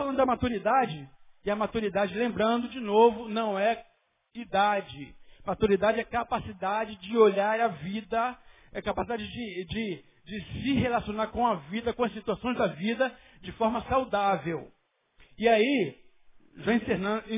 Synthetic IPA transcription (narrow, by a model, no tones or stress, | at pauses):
falɐ̃nd̪ʊd̪ɐmat̪uɾid̪ad͡ʒɪɪɐmat̪uɾid̪ad͡ʒɪlẽmbɾɐ̃nd̪ʊd͡ʒɪnovʊnɐ̃w̃ɛ | id̪ad͡ʒɪmat̪uɾid̪ad͡ʒɪɛkapasid̪ad͡ʒɪd͡ʒɪoʎaɾɐvid̪ɐ | ɛkapasid̪ad͡ʒɪd͡ʒɪd͡ʒɪ | d͡ʒɪsɪɦelasionaɾkõɐvid̪ɐkõɐsit̪uasõj̃zd̪ɐvid̪ɐ | d͡ʒɪfɔɾmɐsawd̪avew | ɪai | ʒaĩseñ